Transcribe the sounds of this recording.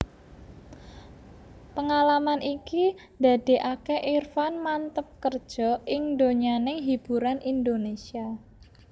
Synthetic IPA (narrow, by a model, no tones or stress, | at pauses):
pəŋalamanʔiki | d̪a̤d̪̥e̤ʔakeʔirfanmant̪əp̚kərd̥ʒ̥ɔ̤ɪŋd̪oɲanɪŋɦib̥ṳɾanind̪onesia